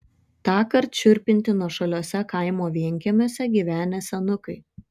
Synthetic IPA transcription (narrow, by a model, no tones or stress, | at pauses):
t̪ɑːkɐɾt̪t͡ʃʲʊɾʲpʲɪnʲt̪ʲɪnuɔʃɐlʲoːsʲɛkɐɪmoːʋʲiɛŋʲkʲɛmʲoːsʲɛɡʲiːʋʲæːnʲɛsʲɛnʊkɐɪ